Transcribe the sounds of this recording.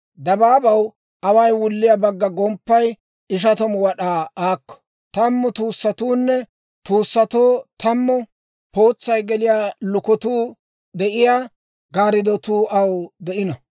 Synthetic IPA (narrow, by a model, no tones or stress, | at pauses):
d̪ɐbaːbɐw | ʔɐwɐjwʊlːɪjabɐɡːɐɡɔmpːɐj | ɪʃ̬ɐt̪ɔmwɐɗaːaːkːɔ̥ | t̪ɐmːɔt̪uːsːɐt̪uːnːɛ | t̪uːsːɐt̪oːt̪ɐmːɔ | po̞ːt͡sːɐjɡɛlɪjaːlʊkɔt̪uː | d̪ɛʔɪjaː | ɡaːɾɪd̪ɔt̪uːʔɐwd̪ɛʔɪnɐ